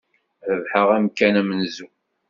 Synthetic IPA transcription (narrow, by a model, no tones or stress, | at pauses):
ðəvħəʁæmkːænæmənzu